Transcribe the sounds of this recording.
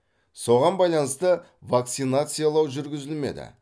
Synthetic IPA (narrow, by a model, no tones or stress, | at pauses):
so̞ʁɑnbɑjlˠɑnəst̪ə | vak̚t̪sinat̪sɨjalˠɑwʒʏɾɡʲɪzɪlme̞̰d̪ɪ̰